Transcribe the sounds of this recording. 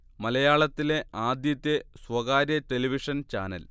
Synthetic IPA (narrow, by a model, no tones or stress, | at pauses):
mɐlɐjaːɭɐt̪ːile̞aːd̪jɐt̪ːesʋɐɣaːɾjɐʈeliʋiʂɐnt͡ɕa̰ːnɐ̰l